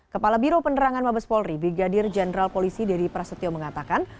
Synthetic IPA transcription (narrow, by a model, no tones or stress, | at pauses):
kəpalabiɾopəndəɾaŋanmabaspɔlribɾiɡadɪrd͡ʒɛnəɾalpolisidaɾipɾasɔt̪iɔməŋat̪akan